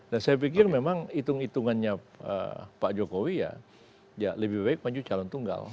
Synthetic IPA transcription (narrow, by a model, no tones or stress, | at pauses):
dansajap̬ikɪrmemaŋit̪ʊŋit̪uŋanɲa | ə̰paʔd͡ʒokowija̰ | jaləbɪhbaɪk̚maɲd͡ʒut͡ʃalɔnt̪uŋɡa̰l